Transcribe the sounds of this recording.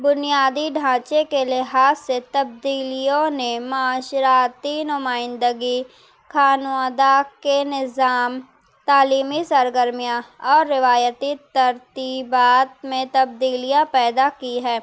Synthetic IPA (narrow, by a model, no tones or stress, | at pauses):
bʊnijaːd̪iɖʱãːt͡ʃekelɪɦaːsːet̪ɐb̚d̪iːlijõnemaːʃɾaːt̪inʊmaːɪ̃nd̪əɡi | kʰaːnaːd̪akenɪzaːm | t̪aːliːmisəɾɡəɾmijaɔːɾːɪʋaːjət̪it̪ɐɾt̪iːbaːt̪̚mẽt̪ɐb̚d̪iːlijapɛːd̪akiɦɛː